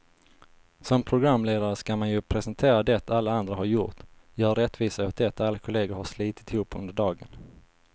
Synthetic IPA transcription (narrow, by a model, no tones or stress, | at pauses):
sɔmpʰɾʊɡɾamːleːd̪aɾəskamanjɵpʰɾɛsɛnt̪ʰeːɾad̪ɛt̪ʰalːaand̪ɾahaɾjʊʈ̪jɑːaɾɛt̪ːviːsahʊt̪d̪ɛt̪ʰalːakʰʊleːɡʊɾhaʂliːt̪ɪt̪ɪhuːpʰːɵ̰nd̪əɖɑːɡə̰n